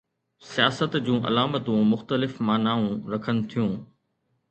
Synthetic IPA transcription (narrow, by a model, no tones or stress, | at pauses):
sijaːsət̪d͡ʑũːʔɐ̰laːmət̪ũmʊxt̪əlɪfmaːnaːũɾɐkʰənɪ̆t̪ʰijũː